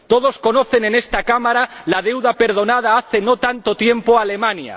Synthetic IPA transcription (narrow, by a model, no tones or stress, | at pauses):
t̪o̞ð̞osko̞no̞θe̞nene̞st̪akamaɾalað̞e̞wðape̞ɾðo̞nað̞aaθe̞no̞t̪ant̪ot̪je̞mpoale̞mãnja̰